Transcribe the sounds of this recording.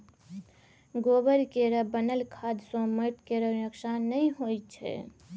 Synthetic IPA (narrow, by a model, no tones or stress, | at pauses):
ɡoːbəɾkeɾəbənəlkʰaːd̪sõməʈkeɾəɾəkʃanəĩɦojt͡ʃʰɛ̰